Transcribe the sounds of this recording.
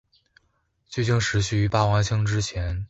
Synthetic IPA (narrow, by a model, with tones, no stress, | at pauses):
t͡ɕjo˥˧t͡ɕi˥˩ŋʂɻ̩˧˥ɕy˥˩y˧˥pa˥˩wa˧˥nt͡ɕʰɤ˥ŋʈ͡ʂɻ̩˥t͡ɕʰjɛ˧˥n